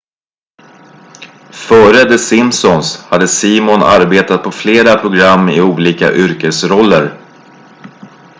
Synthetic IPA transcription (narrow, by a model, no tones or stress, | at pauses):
fœːɾəd̪ɛsɪmsɔnshad̪ːəsiːmɔna̰ɾbeːt̪at̪̚pʰɔfleːɾapʰɾʊɡɾamːɪuːliːka̰ʔʏɾkəsɾɔlːəɾ